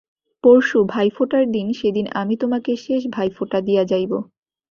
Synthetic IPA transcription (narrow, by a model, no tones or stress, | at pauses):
poɾʃubʱajfoʈaɾd̪inʃed̪ina̰mit̪omakeʃeʃ̬bʱajfoʈad̪ijad͡ʑajbo